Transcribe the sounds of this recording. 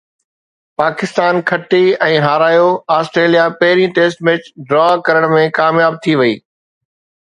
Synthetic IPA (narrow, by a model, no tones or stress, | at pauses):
paːkɪst̪aːnkʰɐʈiɛ̃ːɦaːɾaːjoaːsʈɾeːlijapɐɦɪɾĩʈeːsʈmeːt͡ɕɖɾɔːkɐɾəɽ̃mẽkaːmjaːb̚t̪ʰiʋɐiː